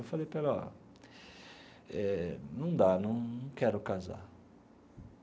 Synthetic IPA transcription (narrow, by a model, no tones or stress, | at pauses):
ewfalejpela̰ | ɛnɐ̃w̃d̪anɐ̃w̃ñw̃kɛɾʊkaza̰